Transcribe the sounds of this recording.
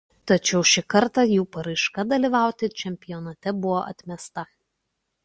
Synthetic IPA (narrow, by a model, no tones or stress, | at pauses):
t̪ɐt͡ʃʲɛʊʃʲɪkɐɾt̪ɑˑjuːpɐɾɐɪʃkɐd̪ɐlʲiːʋɑˑʊt̪ʲɪt͡ʃʲɛmʲpʲɪjɔnɐt̪ʲɛbʊʋoʔɐ̰t̪ʲmʲɛst̪ɐ